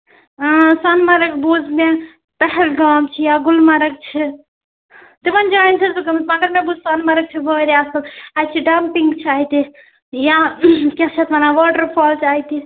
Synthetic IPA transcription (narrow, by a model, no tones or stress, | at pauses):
sanmaɾəkbud͡ʒʱme | pəɦɛlɡamt͡ʃʰijaɡulmaɾək̚t͡ʃʰi | t̪imənd͡ʒaint͡ʃʰɛsukəmsmaɡəɾmebud͡ʒsanmaɾək̚t͡ʃʰibəɾiasəlajt͡ʃʰiɖampiŋɡt͡ʃʰaɦit̪i | jakɛt͡ʃʰɛt̪manaʋɔʈəɾpʰɔlt͡ʃaɦit̪i